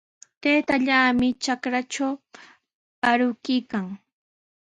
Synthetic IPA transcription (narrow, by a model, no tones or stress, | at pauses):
t̪eːt̪aʎaːmɪt͡ʃakɾat͡ʃaw | paɾʊkɪjkaŋ